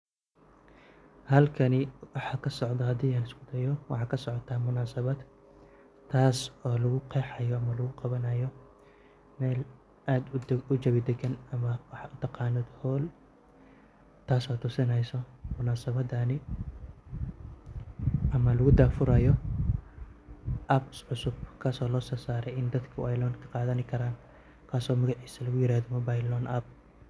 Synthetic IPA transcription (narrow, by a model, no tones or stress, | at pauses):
hɐlkʰɐnɪwɑħɑːkʰɐsɔʕd̪ɐhɐd̪iːaːnɪskʊd̪ɐjɔwɑħɑːkʰɐsɔʕɔt̪ʰaːmʊnaːsɐβɐd̪ | t̪ʰaːsɔːlɐɣʊqʰɛːħɑjɔɐmɐlɐɣʊqɑβɐnɐjɔ | mɛːl | ʔaːd̪ʊt͡ʃɐβɪd̪ɛɡɐnɐmɐwɑħʊt̪ʰɐqɑːnɔːd̪hɔːl | t̪ʰaːsɔːt̪ʰʊsɪnɛjsɔmʊnaːsɐβɐd̪aːnɪ | ʔɐmɐlɐɣʊd̪aːfʊɾɐjɔ | ʔɐbsʕʊsʊb̚kʰɐsɔːlɔːsɔːsaːɾɛjɪnd̪ɐd̪kʰʊʔɐjlɔːnkʰɐ̥qɑːðɐnɪkʰɐɾaːn | kʰaːsɔːmɐɣɑʕiːsɐlɐɣʊjɪɾaːðɔmɐbajlɔːnʔɐb̚